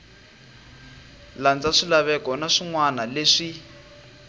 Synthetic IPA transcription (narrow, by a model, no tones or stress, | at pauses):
land͡zaʂilaβɛkɔnaʂiŋwanaleʂi